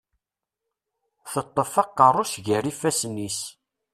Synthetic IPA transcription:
θət̪ˤːəfɑqːərˤːʊʃʝərifæsnːis

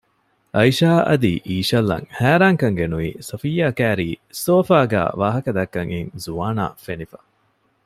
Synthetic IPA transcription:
ɐiʃaːʔɐ̰d̪iʔiːʃɐlːɐ̰ŋhæːɾaːŋkɐŋɡenuiːsɐfijaːkæːɾiːsoːfaːɡæ̰ːʋaːɦɐkɐd̪ɐkːɐŋiŋzuaːna̰ːfenifɐ̥

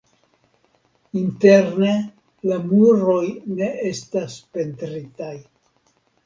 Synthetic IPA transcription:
inte̞ɾne̞ | lamuɾo̞jne̞ʔe̞staspe̞ntɾitaj

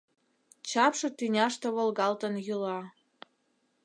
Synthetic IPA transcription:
t͡ɕɑpʃɤ̆t̪ynʲɑʃt̪ɤ̆βɤ̆lɣɑlt̪ə̆njylɑ

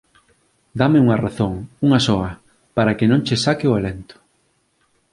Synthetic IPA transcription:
d̪ameuŋɐraθoŋuŋɐsɔɐ | paɾɐkɪnõŋt͡ʃesakɪʊalent̪ʊ̥

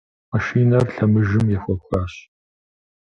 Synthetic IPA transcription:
mɐʃiːnɐrɬɐmɨʒɪmjɛfʷɐkʷʰʼaːɕ

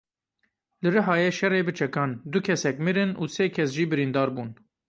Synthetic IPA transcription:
lɨɾɨɦɑːjɛʃɛreːbɨt͡ʃʰɛkɑːnd̪ʊkʰɛsɛkmɨɾɨnuːseːkʰɛsʒiːbɨɾind̪ɑːɾbuːn

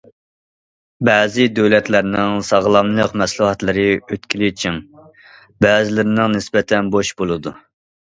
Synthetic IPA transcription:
bɛːzɪd̪ølɛt̪læɾnɪŋsɑʁlˠɑmlˠəqmɛslˠuɦɑt̪lˠɨɾɨøt̪kʲʰilit͡ʃʰim | bɛːzɪlɪɾɪnɪŋnɪsbɛt̪ʰɛnboʃbolˠɨd̪u

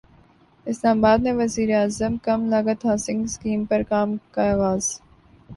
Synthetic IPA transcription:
ɪslaːmabaːd̪̚neʋɐziːɾeaːzəmkɐmlaːɡət̪ɦaːsɪ̃ŋɡskiːmpɐɾkaːmkaaːɣaːz̥

